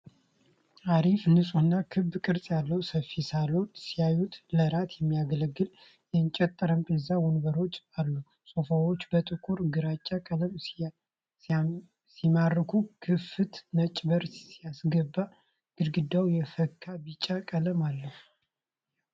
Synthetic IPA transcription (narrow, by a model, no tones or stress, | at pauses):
aɾifnɨsʼuɨnːakʰɨbkʼɨɾsʼjalːəwsəfisalot̪sijajut̪ləɾat̪ʰjɛmːijaɡələɡːɨl | jɛnt͡ʃʼɛt̪ʼːəɾəmbəzawunbəɾo̞t͡ʃːalːu | sʼofawot͡ʃːbət̪ʼɨkʰʼuɾɡɨɾat͡ʃʼːakʼələm | simarːɨkʰukʰɨfɨt̪mət͡ʃʼbəɾssijasɡəbːa | ɡ̥ɨɾɡɨd̪ːawjɛfəkʰːabit͡ʃʼːakʼələmalːəh